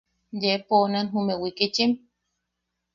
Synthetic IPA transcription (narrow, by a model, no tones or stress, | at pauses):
jeponanɦumewikit͡ʃim